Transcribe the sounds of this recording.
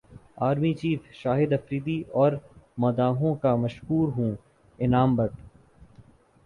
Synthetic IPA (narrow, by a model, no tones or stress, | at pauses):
aːɾmit͡ʃiːfʃaːɦɪd̪ɐfɾiːd̪iɔːɾmɐd̪aːɦõkamɐʃɦuːɾɦũː | ɪnaːmbɐʈ